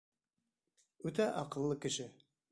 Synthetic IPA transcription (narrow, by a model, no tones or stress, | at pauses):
ʉt̪æʔɑqɤ̆lˠːɤkɘ̆ʃɘ